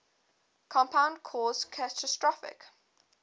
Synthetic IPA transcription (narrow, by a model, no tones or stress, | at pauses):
kʰɔ̃mpʰãʊ̃ndkʰɔːzkʰatʰəstɹɔfɪ̰k